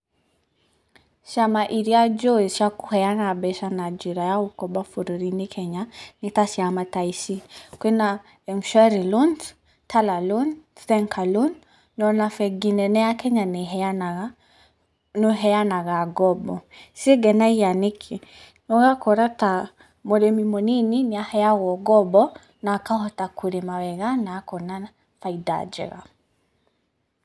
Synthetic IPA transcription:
ʃamaʔiɾijad͡ʒɔiʃjakuhɛjanabɛʃanad͡ʒiɾajaukɔbafuɾiɾinikʰɛɲanitasjamataisikwena | ɛmʃɛɾilɔnd | tʰalalɔnθɛŋkʰalunː | ɔnafɛɡinɛnɛjakɛɲanɛɦɛana | nɔɦɛjanaɣaɡɔbɔsiɡɛnaijanikʰi | nɔɣakɔɾata | mɔɾɛmimɔnininiahɛjaɣɔɡɔbɔ | nakahɔtakʰuɾɛmawɛɣanaːkɔna | faida̰d͡ʒɛ̰ɣa̰

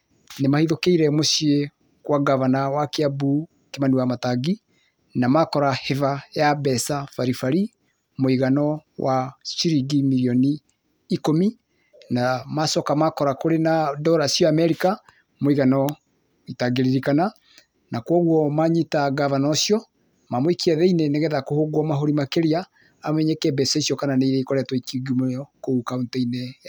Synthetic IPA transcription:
nemahiðokeiɾɛmoʃie | kwaɡavanawakeabu | kemaniwamataɡi | namakɔɾahevajabɛsafaɾifaɾi | moiɣanɔwʔaʃiɾiɡimiɾiɔniː | komi | namasɔkamakɔɾakoɾenadɔɾasjɔamɛɾika | moiɣanɔ | itaɡeɾiɾikana | nakwɔɣwɔmaɲitaɡavanɔsiɔ | mamwekiɛðɛineneɣɛðakohoɡwɔmaɦoɾimakeɾiaː | mɛɲɛkɛbɛsɔisiɔkananeiɾɛikɔɾɛtwɔikiuɡumɔkoukauntɛine

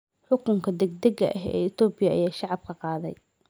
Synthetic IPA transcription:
ħʊkʰʊŋkʰɐd̪ɛɡ̚d̪ɛɡɐ̰ʔɐɦɛ̰ːɪt̪ɔːbɪjɐʔɐ̰jaːʃɑʕɑb̚kʰɐqɑːðɛ̰j

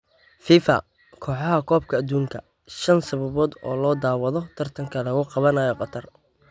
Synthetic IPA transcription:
fiːfɐ̰ | kʰɔːħɑɦɐkʰɔːb̚kʰɐːd̪uːŋkʰɐ | ʃɐnsɐβɐβɔːd̪ɔːlɔːd̪aːwɐðɔt̪ʰɐrt̪ʰɐŋkʰɐlɐɣʊqɑβɐnajɔqɑt̪ʰɐr

